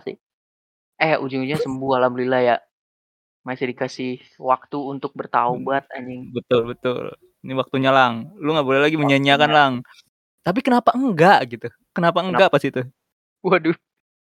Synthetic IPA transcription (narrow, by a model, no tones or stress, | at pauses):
sɪ̰ | ɛjaʔud͡ʒʊŋud͡ʒɲasəmbuahlamlilaja | masidikasɪh | wak̚t̪uːnt̪ʊk̚bərt̪aubat̪̚a̰ɲɪŋbət̪ʊlbət̪ʊ̰l | niwak̚t̪uɲalaŋluŋɡaʔbolɛhlaɡiməɲaɲiakanlaŋ | t̪ap̬ikənapaəŋɡaʔɡit̪u | kənapaəŋɡaʔpast̪it̪u | uadu